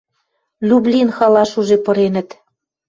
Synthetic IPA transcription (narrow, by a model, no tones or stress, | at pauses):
lʲublʲinxɑlɑʃuʒepɤ̆ɾenə̆t̪